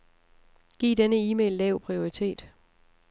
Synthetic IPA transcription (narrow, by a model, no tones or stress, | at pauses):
ɡ̥ḭːd̥enəiːmḛːlːɛʊ̰pʰʁio̝ʁit͡sʰe̝̰ːd̥